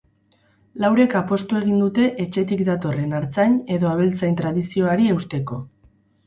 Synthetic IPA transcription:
lawɾe̞kapo̞st̪ue̞ɣ̞ind̪ut̪e̞ʔet͡ʃe̞t̪̬ikd̪at̪o̞re̞naɾt͡saɲe̞ðo̞aβ̞e̞lt͡sajnt̪ɾaðisio̞aɾie̞wst̪e̞ko̞

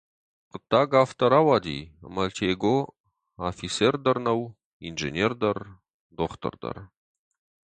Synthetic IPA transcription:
qət̪ːaɡaft̪ɐɾawad̪ʲḭmɐlʲt̪ʲʰeɡo | afiserd̪ɐrnɐw | inʒḛnʲerd̪ɐr | d̪oχt̪ə̰rd̪ə̰r

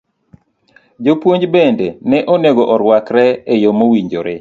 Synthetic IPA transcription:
d͡ʒopwoɲd͡ʒbendenɛʔoneɡɔʔɔɾwakɾɛejomowiɲd͡ʒoɾe

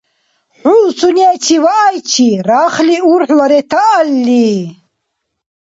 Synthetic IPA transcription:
ħulsuniɛt͡ʃʰivaʔːjt͡ʃʰiɾaːχliuɾħlaɾɛt̪ʰaʔːlːi

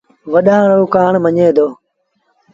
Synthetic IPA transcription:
ʋəɗãːɾoːkaːɳməɲeːd̪oː

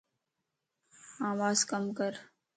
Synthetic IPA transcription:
aːʋaːzkɐmkəɾ

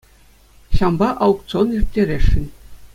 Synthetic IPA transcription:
ɕɑmbɑʔɑwkt̪t͡sonirt̪ʲːeɾʲeʂɘ̆nʲ

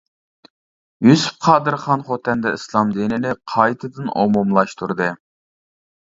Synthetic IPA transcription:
jysy̥p̚qʰɑːd̪ɨɾχɑnχot̪ʰɛnd̪ɛislˠɑmd̪inɪlɪqʰɑjt̪ʰɨd̪ɨno̰mumlˠɑʃt̪ʰuɾd̪ɨ

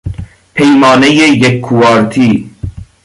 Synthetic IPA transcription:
pʰejmɑːnejejekʰːuɑːɾt̪ʰiː

